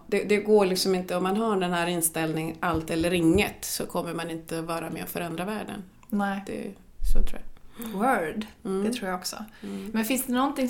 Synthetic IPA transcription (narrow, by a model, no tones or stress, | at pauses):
d̪̥ɛd̪ɛɡoːɭɪksɔmɪnt̪əɔmːanɦaɖɛnhæːɾɪnːst̪ɛlnɪŋalt̪ɛlːəɾɪŋːət̪sɔkʰɔmːəɾmanɪnt̪əvɑːɾamɛ̰ɔfœɾɛnd̪ɾavæːɖə̰n | nɛd̪ɛ̰ɛ̰ | so̰ːt̪ʰɾṵːja̰wœɖ̪ɛt̪ʰɾuːɾjaɔksɔ̰mɛnfɪnsd̪ɛnɔnt̪ɪŋ